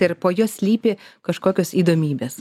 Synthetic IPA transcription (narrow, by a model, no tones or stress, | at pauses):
ɪɾpoːjoːsʲlʲiːpʲɪkɐʃkoːkʲoːsiːd̪oːmʲiːbʲeːs